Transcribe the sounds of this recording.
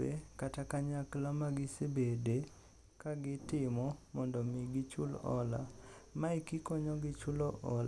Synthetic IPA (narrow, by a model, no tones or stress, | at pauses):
ekatakaɲaklamaɡɪsebede | kaɡɪtɪmɔmɔndɔmɪɡɪt͡ʃulɔ̰la̰maikikɔɲɔɡɪt͡ʃulɔʔɔla